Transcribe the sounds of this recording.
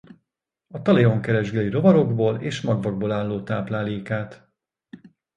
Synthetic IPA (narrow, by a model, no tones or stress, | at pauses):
ɒt̪ɒleo̞ŋkɛɾɛʒɡɛliɾo̞vɒɾo̞ɡboːleːʃmɒɡvɒɡ̚boːlaːlːoːt̪aːplaːleːkaːt̪